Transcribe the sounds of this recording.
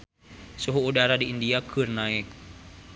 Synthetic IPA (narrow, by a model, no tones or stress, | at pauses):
suɦuːdaɾadiːndiakɨrnaɪk̚